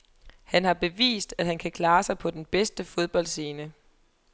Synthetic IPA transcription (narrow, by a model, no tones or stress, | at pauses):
hænhɑ̈b̥e̝ʋḭːsd̥æd̥hænkʰækʰlɑ̈ːsɑ̈ɪpʰɒ̽d̥enb̥esd̥əfo̝ð̞ˠb̥ɒ̽l̰d̥se̝ːnə